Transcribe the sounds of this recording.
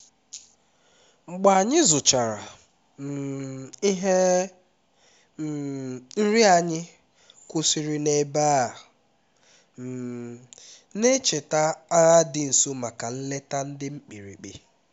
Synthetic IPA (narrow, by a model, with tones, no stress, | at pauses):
ŋ͡m̩˨ɡ͡ba˨a˨ɲɪ˦zʊ˨t͡ʃa˨ɾa̰˨˦ | ɦe˦˨ | n̩˦ɾi˦a˨ɲɪ˦ | kʊ˦si˦ɾi˦ne˦ba˦˨ | m̩˨ | ne˦t͡ʃe˨ta˦a˦ɣa˦dɪ˦n̩˨so˦ma˨ka˨n̩˦le˦ta˦n̩˦dɪ˦ŋ͡m̩˦k͡pi˨ɾḭ˨k͡pḭ˨